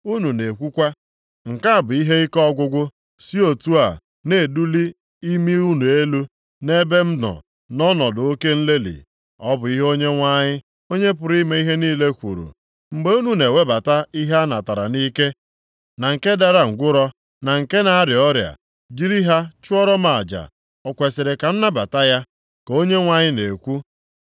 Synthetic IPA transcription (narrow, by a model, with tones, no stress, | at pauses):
u˦nu˨ne˨kʷu˦kʷa˦ | ŋ̩˨ka˦a˨bʊ˨i˦ɦe˦i˦kɔ˦ɡʷʊ˦ɡʷʊ˦ | si˦o˨tu˦a˨ | ne˨du˦li˦ | i˦mi˦u˦nu˨e˦lu˦ | ne˦be˦m̩˦dɔ̰˨ | nɔ˦nɔ˨dʊ˨o˦ke˦n̩˦le˦lḭ˨ | ɔ˦bʊ˨i˦ɦo˦ɲe˦ŋʷa˦ɲɪ˦ | o˦ɲe˦p̬ʊ˨ɾi˦me˦i˦ɦe˦niː˦le˦kʷṵ˨ɾṵ˨ | ŋ͡m̩˨ɡ͡be˦u˦nu˦ne˨we˦ba˨ta˦i˦ɦa˦na˨ta˨ɾa̰˨ni˦ke˦ | na˨ŋ̩˨ke˦da˦ɾa˨ŋ̩˨ɡʷʊ˦ɾɔ˦ | na˨ŋ̩˨ke˦na˨a˦ɾɪ˨ɔ˦ɾja̰˨ | d͡ʒi˦ɾi˦ɦa˦t͡ʃʊ˦ɔ˦ɾɔ˦ma˨a˨d͡ʒa̰˨ | ɔ˨kʷe˨sɪ˨ɾɪ˨ka˨n̩˦na˦ba˨ta˦ja˦ | ko˦ɲe˦ŋʷa˦ɲɪ˦ne˨kʷu˦